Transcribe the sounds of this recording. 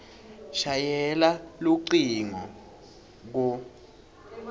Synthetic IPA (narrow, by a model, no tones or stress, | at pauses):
ʃajɛlaluǀiŋɔ | k̬u